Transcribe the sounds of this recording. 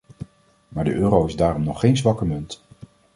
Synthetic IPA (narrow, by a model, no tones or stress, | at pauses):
maːɹdəʔøːɾowɪzdaːrɔmnɔχːejnzʋɑkəmɵnt